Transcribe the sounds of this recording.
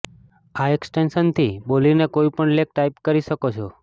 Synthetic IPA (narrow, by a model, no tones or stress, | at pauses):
aeksʈenʃənt̪ʰibolinekoipəɳlek̚ʈaipkəɾiʃəkot͡ʃʰo